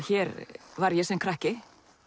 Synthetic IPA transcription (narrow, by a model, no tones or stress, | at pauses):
çɛːɾvaɾjɛsɛmkʰɾahcɪ